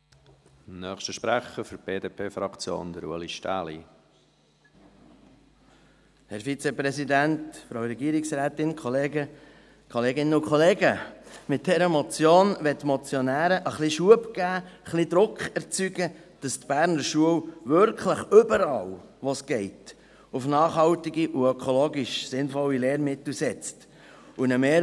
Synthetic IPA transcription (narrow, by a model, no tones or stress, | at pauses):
nœːχʃtəʃpɾæχəɾfʏɾb̥eːdeːpʰeːfɾɑkt͡sjo̰ːnd̥̪əɾṵəliʃtæ̰ːlḭ | hɛɾfit͡sepɾɛsidæntfɾowɾɛɡiːɾɪksɾæːt̪ɪnkχoleːɡə | kχoɔleːɡɪnəʊkχɔleːɡəmɪt̚dɛɾəmɔt͡sjoːnʋɛtːmɔt͡sjɔnæːɾəʔəχliʃuəpkæːχlid̪ɾʊkχɛɾt͡syɡə | d̥ɑstb̥æːɾnəɾʃuəwʋʏɾkχləχʏbəɾɑ̰ːlʋɔsɡ̥ɛɪt | ufnɑːχhɑwtiɡiʔuœkʰɔloːɡiʃsɪnfɔwːileːɾmɪtl̩sɛt͡st | unəmeː